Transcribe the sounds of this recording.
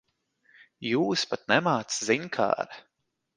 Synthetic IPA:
juːspat̪̚nɛmaːt̪sziɲkʰa̰ːɾ

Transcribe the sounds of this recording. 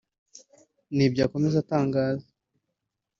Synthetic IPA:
nib̚ɟaːko̞me̞zataːŋɡaːza

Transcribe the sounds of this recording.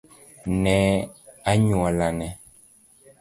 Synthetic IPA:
nɛaɲualanɛ

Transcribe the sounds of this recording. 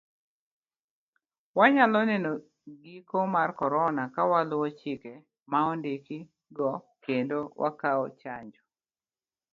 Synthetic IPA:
waɲalɔnɛno | ɡikomarkɔɾɔnakawalʊɔt͡ʃɪke | maɔndeki | ɡɔ | kendowʔa̰kaɔt͡ʃaɲd͡ʒɔ

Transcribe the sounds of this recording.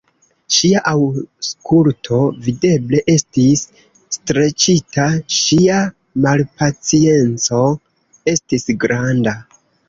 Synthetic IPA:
ʃiaʔawskʰultʰo̞vide̞ble̞ʔe̞stisː | tɾe̞t͡ʃitaʃia | malpat͡sie̞nt͡so̞ | e̞stisɡɾanda

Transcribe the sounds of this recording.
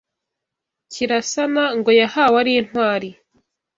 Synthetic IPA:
ciɾasanaŋɡo̞jahaːwaɾin̥hwaːɾi

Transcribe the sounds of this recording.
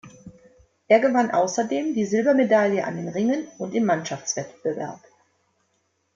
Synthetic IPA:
ʔeːɐɡəvanʔa̰ʊsɐdeːmdiːzɪlbɐmedaljəʔa̰ndeːnʁɪŋənʔʊntɪmːanʃaft͡sv̥ɛtb̥əvɛ̰ɐp

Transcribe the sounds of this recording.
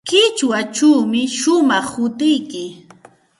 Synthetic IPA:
kɪt͡ʃwat͡ʃuwmɪʃʊmɑχhʊt̪ɪjkɪ

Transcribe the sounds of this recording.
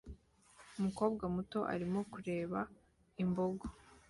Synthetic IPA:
umuko̞ːbɡamuto̞ʔa̰ɾimo̞kuɾe̞ːβa | imbo̞ɡo

